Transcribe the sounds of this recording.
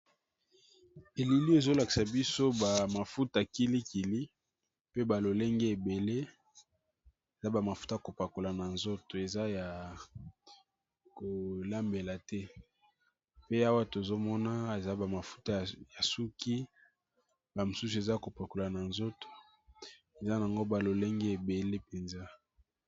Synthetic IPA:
e˨li˨li˦e˨zo˦la˨ki˨sa˨bi˦so˦ba˨ma˨fu˦ta˨ki˦li˦ki˨li˦ | pe˦ba˨lo˨le˦ŋɡe˦e˨be˨le˦ | e˨za˦ba˨ma˨fu˦ta˦˨ko˨pa˨ko˨la˨na˨nzo˦to˨e˨za˦ja˨ | ko˨la˦mbe˨la˨tɛ˦ | pe˦a˦wa˦to˨zo˦mɔ˦na˦e˨za˦ba˨ma˨fu̥˦ta˦˨ja˨su˦ki˦ | ba˨mo˨su˦su˦e˨za˦˨ko˨pa˨ko˨la˨na˨nzo˦to̥˨ | e˨za˦na˨a˨ŋɡo˦ba˨lo˨le˦ŋɡe˦e˨be˨le˦pe˨nza˦

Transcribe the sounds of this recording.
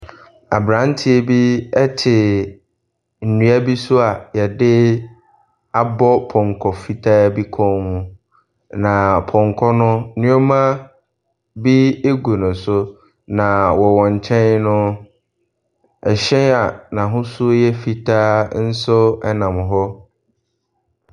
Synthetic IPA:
a̰˨bɾã˨˦n˦tʰɪ˨˦e˨bi˦ɛ˦tʰɪ˨ | n̩˨nũ˨˦a˦bi˦sʊ˦a˨jɛ˨dɪ˦ | a˨bɔ˦pʰɔ̃˨ŋkʰɔ˨fi˦tʰa˦˨bi˦kʰɔ̃˦hʊ̃˦ | nã˨pʰɔ̃˨ŋkʰɔ˦nʊ̃˦nɪ̃˦ɔ˦mã˦ | bi˦e˦ɡu˨nʊ̃˨sʊ˦ | nã˨wɔ˨wɔ̃˨ɲ˨t͡ɕʰɛ̃˦n˦nʊ̃˦ | ɛ˨ɕɛ̃˦a˨nã˨ɦʊ̃˦sʊ˦jɛ˦fi˨tʰa˦n̩˦sʊ˦ɛ˦nã˨mɦɔ˦

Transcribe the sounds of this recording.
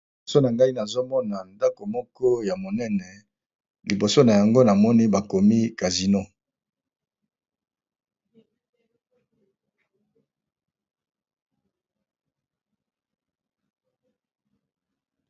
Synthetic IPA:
so˦na˨ŋɡa˦i˦na˨zo˦mɔ˦na˨nda˦ko˨mɔ˦kɔ˦ja˨mo˨nɛ˦nɛ˨ | li˨bo˨so˦na˨ja˨ŋɡo˦na˨mɔ˦ni˦ba˨ko˨mi˦ka˨zi˨no˦

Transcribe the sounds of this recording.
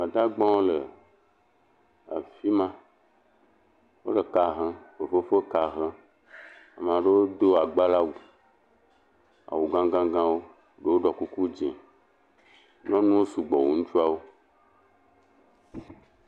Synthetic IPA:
mã˨d̪a˦ɡ͡bɔ̃˦wo˦le˨ | a̰˨fi˦mã˦ | wo̰˦ɖe˨ka˨ɦə̃˦ɸe˨fo˦fe˦ka˨ɦə̃˦ | a˨m˨ã˨ɖe˦wo˦d̪o˦a˨ɡ͡ba˦la˦wu˨ | a̰˨wu˨ɡã˦ɡã˦ɡã˦wo˦ | ɖe˦wo˦ɖɔ˨ku˦ku˦d͡ʒḛ̃˨ | nɔ̃˦nũ˦wo˦su˨ɡ͡bɔ˨wṵ˨ŋũ˦t͡ʃu˦a˦wo˦

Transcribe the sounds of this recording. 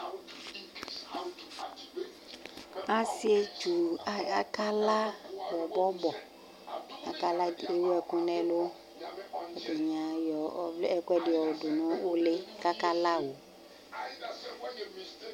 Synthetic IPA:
a˨si˦e˦t͡ʃu˨˦a˨ka˦la˦wɔ˨bɔ˦bɔ˨ | a˨ka˦la˦e˦wo˦ɛ˨kũ˦nɛ̃˦lo˦ | ɔ˨de˨ɲã˨jɔ˨ble˦ɛ˦kɛ˦ɖe˨ɔ˨do˨nɔ̃˦o˦le˦ka˦ka˦la˦wo˨

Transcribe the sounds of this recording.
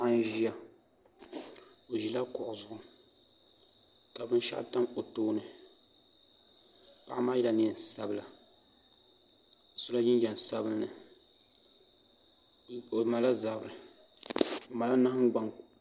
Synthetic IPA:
a˦n˦ʒi˦a˦ | o˨ʒi˨la˦kʊ˨ʔʊ˨zʊ˨ʔʊ˨ | ka˨bɨ˦n˦ʃa̰˦ʔta˦mko˨toː˦nɨ˨ | pa˦ʔma˦i˦la˨ni˨n˨sa˦bɨ˨la˨ | sʊ˦la˦ji˦n˦d͡ʒa˨n˨sa˦bɨ˦lnɨ˨ | ma˨la˦za˨bɨ˨ɾɨ˨ | ma˨la˦na˦hŋ˦ɡ͡ba˨ŋ

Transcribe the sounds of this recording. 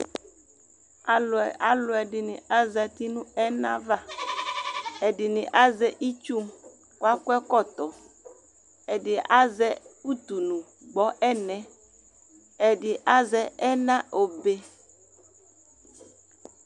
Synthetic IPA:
a˦a˦lʊ˨ɛ˨dɪ˨nɪ̃˨a˦zɛ˨t̪i˦nũ˦ɛ˦nã̰˦va˦ | e˨dɪ˨nĩ˨ʔa˦zɛ˦ʔi˦t͡ʃu˦m | kwa˦kɛ˦kɔ˦˨t̪ɔ˨ | e˨dɪ˨ʔa˦zɛ˦u˦t̪u˨nũ˨ | ɡ͡bɔ˦ʔɛ˦nɛ̃˨ | e˨dɪ˨ʔa˦zɛ˦ɛ˦nã˦ʔo˨be˦

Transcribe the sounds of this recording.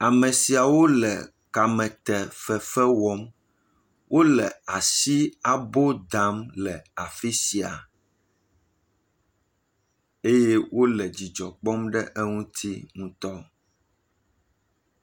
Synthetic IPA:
a˨mɛ̃˨si˨a˨wo˦lɛ̰˨ | ka˨mɛ̃˨t̪ɛ˨fɛ˨fɛ˦wɔ˦m | wo˦lɛ˨a˨si˦a˨bo˦d̪a˨˦mlɛ˨a˨fi˦si˨a˨ | e˦je˦wʔo˦lɛ˨d͡ʑi˨d͡ʒɔ˨k͡pɔ˦mɖɛ˦ʔɛ˦ŋũ˦t̪ʰi˦ŋũ˦t̪ɔ˦

